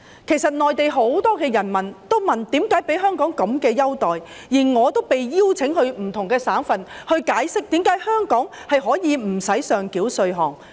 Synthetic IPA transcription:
kʰe˨˩jsɐ˨t̚nɔː˨jt̪e˨jɦo˨˥wt̪ɔː˥kɛː˧jɐ˨˩nmɐ˨˩nt̪o˥wmɐ˨˩nt̪iː˨˥mkaː˨˥jpe˨˥jɦœː˥ŋkɔː˨˥ŋkɐ˨˥mkɛː˧jɐ˥wt̪ɔː˨j | jiː˨˩ŋɔː˨˧t̪o˥wpe˨jjiː˥wt͡sʰɪ˨˥ŋhɵ˧ɥm̩˨˩t̪ʰʊ˨˩ŋkɛː˧saː˨˥nfɐ˨nhɵ˧ɥkaː˨˥jsɪ˥k̚t̪iː˨˥mkaː˨˥jhœː˥ŋkɔː˨˥ŋhɐ˨jɦɔː˨˥jiː˨˧m̩˨˩sɐ˨˥jsœː˨ŋkiː˨˥wsɵ˧ɥɦɔː˨ŋ

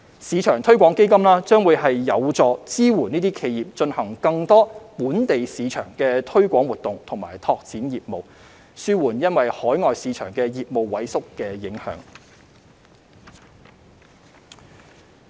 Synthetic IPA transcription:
siː˨˧t͡ʃʰœː˨˩ŋt̪ʰɵ˥ɥkʷɔː˨˥ŋke˥jkɐ˥mlaː˥t͡sœː˥ŋwuː˨˧jɦɐ˨jːɐ˨˧wt͡sɔː˨˧t͡siː˥wuː˨˩niː˥t̪iː˥kʰe˨˧jiː˨p̚t͡ʃɵ˧nhɐ˨˩ŋkɐ˧ŋt̪ɔː˥puː˨˥nt̪e˨jsiː˨˧t͡ʃʰœ̰ː˨˩ŋkɛː˧t̪ʰɵ˥ɥkʷɔː˨˥ŋwuː˨˩t̪ːʊ˨ŋt̪ʰʊ˨˩ŋmaː˨˩jt̪ʰɔː˧k̚t͡siː˨˥njiː˨p̚mo˨w | syː˥wuː˨˩njɐ˥nwɐ˨jhɔː˨˥jŋɔː˨jsiː˨˥t͡ʃʰœ̰ː˨˩ŋkɛː˧jiː˨p̚mo˨wwɐ˨˥jsʊ˥kːɛː˧jɪ˨˥ŋhœ̰ː˨˥ŋ

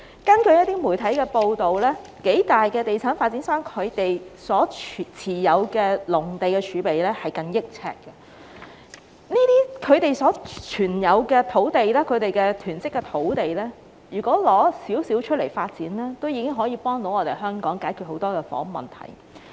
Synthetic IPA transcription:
kɐ˥nkɵ˧ɥjɐ˥t̪iː˥muː˨˩jt̪ʰɐ˨˥jkɛː˧po˧wt̪o˨wlɛː˥ke˨˥jt̪aː˨jkɛː˧t̪e˨jt͡sʰaː˨˥nfaː˧t̚t͡siː˨˥nsœː˥ŋkʰɵ˨˧ɥt̪e˨jsɔː˨˥˨t͡sʰiː˨˩jɐ˨˧wkɛː˧lʊ˨˩ŋt̪e˨jkɛː˧t͡ʃʰyː˨˧pe˨jlɛː˥hɐ˨˩jkɐ˧ŋjɪ˥k̚t͡sʰɛ̰ː˧kːɛ˧ | niː˥t̪iː˥kʰɵ˨˧ɥt̪e˨˩jsɔː˨˥t͡ʃʰyː˨˩njɐ˨˧wkɛː˧t̪ʰo˨˥wt̪e˨jlɛː˥kʰɵ˨˧ɥt̪e˨jkɛː˧t̪ʰyː˨˩nt͡sɪ˥kːɛ˧t̪ʰo˨˥wt̪e˨jlɛː˥ | jyː˨˩kɔː˨˥lɔː˨˥siː˨˥wsiː˨˥wt͡ʃʰɵ˥t̚le˨˩jfaː˧t̚t͡siː˨˥nlɛː˥t̪o˥wjiː˨˧kɪ˥ŋɦɔː˨˥jiː˧pɔː˥ŋt̪o˨˥wɔː˨˧t̪e˨jɦœː˥ŋkɔː˨˥ŋkaː˨˥jkʰy˨t̚ho˨˥wt̪ɔː˥kɛː˧fɔ̰ː˨˥ŋmɐ̰˨nt̪ʰɐ̰˨˩j

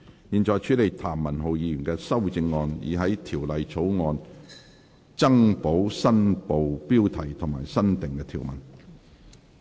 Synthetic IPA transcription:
jiː˨˩nt͡ʃɔː˨˧jt͡ʃʰyː˨˥le˨jt̪ʰaː˨˩mːɐ˨˩nɦo˨wjiː˨˧jy˨˩nkɛː˧sɐ˥wt͡sɪ˧ŋːɔː˧njḭː˨ɦɐ˨˥jt̪ʰiː˨˩wlɐ˨jt͡sʰo˨˥wŋɔː˧n | t͡sɐ˥ŋpo˨˥wsɐ˥npo˨wpiː˥wt̪ʰɐ˨˩jt̪ʰʊ˨˩ŋma̰ː˨˩jsɐ˥nt̪ɪ˨ŋkɛː˧t̪ʰiː˨˩wmɐ̰˨˩n

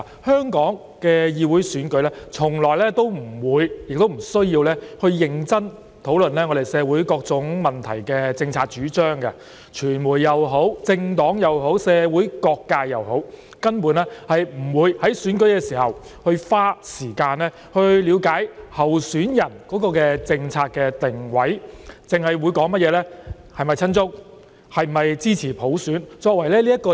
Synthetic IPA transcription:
hœː˥ŋkɔː˨˥ŋ | kɛː˧jiː˧wuː˨˥jsyː˨˥nkɵ˨˥ɥlɛː˥t͡sʰʊ˨˩ŋlɔː˨jlɛː˥t̪o˥wm̩˨˩wuː˨˧jjɪ˨k̚t̪o˥wm̩˨˩sɵ˥ɥjiː˧wlɛː˥hɵ˧ɥjɪ˨˧ŋt͡sɐ˥n | t̪ʰo˨˥wlɵ˨nlɛː˥ŋɔː˨˧d̪e˨˩jsɛː˨˧wuː˨˥jkɔː˧k̚t͡sʊ˨˥ŋmɐ˨˩nt̪ʰɐ˨˩jkɛː˧t͡sɪ˧ŋt͡sʰaː˧t̚t͡ʃyː˨˥t͡ʃœː˥ŋkɐ̰˧ | t͡ʃʰyː˨˩nmuː˨˩jːɐ˨wɦo˨˥wt͡sɪ˧ŋt̪ɔː˨˥ŋjɐ˨wɦo˨˥wsɛː˨˧wuː˨˥jkɔː˧kːaː˧jɐ˨who˨˥w | kɐ˥npuː˨˧nlɛː˥hɐ˨jm̩˨˩wuː˨˧jhɐ˨˥jsyː˨˥nkɵ˨˥ɥkɛː˧siː˨˩hɐ˨˩whɵ˧ɥfaː˥siː˨˩kaː˧nɛː˥ | hɵ˧ɥliː˨˧wkaː˨˥jhɐ˨wsyː˨˥njɐ˨˩nkɔː˨˥kɔː˧kɛː˧t͡sɪ˧ŋt͡sʰaː˧t̚kɛː˧t̪ɪ˨˩ŋwɐ˨˥jt͡sɪ˨ŋhɐ˨jwuː˨˧jkɔː˨˥ŋmɐ˥t̚jɛː˨˧lɛː˥ | hɐ˨jmɐ˨jt͡sʰɐ˥nt͡sʊ˥k̚ | hɐ˨jm˨mɐ˨jt͡siː˥t͡sʰiː˨˩pʰo˨˥wsyː˨˥nt͡ʃɔː˧k̚wɐ˨˩jlɛː˥liː˥jɐ˥t̚kːɔː˧

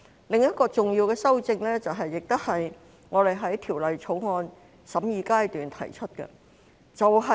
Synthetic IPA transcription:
lɪ˨ŋjɐ˥t̚kɔː˧t͡sʊ˨ŋjiː˧wkɛː˧sɐ˥wt͡sɪ˧ŋlɛː˥t͡sɐ˨wɦɐ˨jːɪ˨k̚t̪ʊ˥hɐ˨j | ŋɔː˨˧ɾe˨jɦɐ˨˥jt̪ʰiː˨˩wlɐ˨jt͡sʰo˨˥wŋɔː˧n | sɐ˨˥mjiː˨˧kaː˥jt̪yː˨nt̪ʰɐ̰˨˩jt͡ʃʰɵ˥t̚kɛ̰˧ | t͡sɐ˨wɦɐ˨

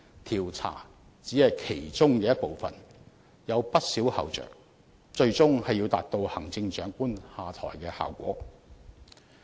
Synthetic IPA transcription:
t̪ʰiː˨˩wt͡sʰa̰ː˨˩ | t͡siː˨˥hɐ˨jkʰe˨˩jt͡sʊ˥ŋkɛː˧jɐ˥t̚po˨wfɐ̰˨n | jɐ˨˧wpɐ˥t̚siː˨˥whɐ̰˨wt͡ʃœ̰ː˨ŋ | t͡ʃɵ˧ɥt͡sʊ˥ŋhɐ˨ji˧wt̪a̰ː˨˩t̚t̪o˧whɐ˨˩ŋt͡sɪ˧ŋt͡ʃœː˨˥ŋkuː˥nhaː˨t̪ʰɔ̰ː˨˩jkɛː˧ha̰ː˨˩wkʷɔ̰ː˨˥

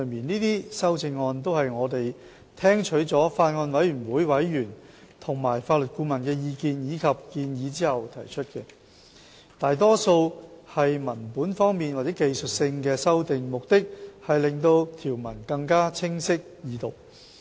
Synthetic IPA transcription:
miː˨˩niː˥t̪iː˥sɐ˥wt͡sɪ˧ŋːɔː˧nt̪̬o˥whɐ˨jŋɔː˨˧t̪e˨j | t̪ʰɛː˥ŋt͡ʃʰɵ˨˥ɥt͡sɔː˨˥faː˧t̚ŋɔː˧nwɐ˨˥jɥyː˨˩nwuː˨˥jwɐ˨˥jɥyː˨˩n | t̪ʰʊ˨˩ŋmaː˨˩jfaː˧t̚lɵ˨t̚kuː˧mɐ˨˩nkɛː˧jiː˧kiː˨˧njiː˨˧kʰɐ˨p̚kiː˧njiː˨˧t͡siː˥hɐ˨wt̪ʰɐ˨˩jt͡ʃʰɵ˥t̚kɛ˧ | t̪aː˨jt̪ɔː˥so˧whɐ˨jmɐ˨˩npuː˨˥nfɔː˥ŋmiː˨nwa˨t͡sɛː˨˥ke˨jsɵ˨t̚sɪ˧ŋkɛː˧sɐ˥wt̪ɪ˨ŋmʊ˨k̚t̪ɪ˥k̚hɐ˨jlɪ˨ŋt̪o˧wt̪ʰiː˨˩wmɐ˨˩nkɐ˧ŋkaː˥t͡sʰɪ˥ŋsɪ˥k̚jiː˨˧˥t̪o˨k̚

